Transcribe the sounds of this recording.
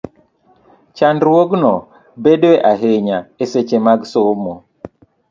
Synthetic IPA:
t͡ʃandwoɡnɔ | bedweʔaɦeɲaeset͡ʃemaɡsomo

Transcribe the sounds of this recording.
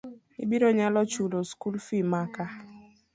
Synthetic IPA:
ḭbiɾɔɲalɔt͡ʃuloskulfimaka

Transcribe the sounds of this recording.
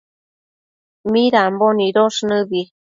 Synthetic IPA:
miɾamboniɾoʂnɨbi

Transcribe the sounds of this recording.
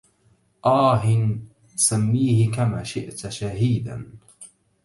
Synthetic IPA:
ʔaːɦɪn | samːiːhɪkama̰ːʃɪʔt̪ʃaɦiːd̪a̰n

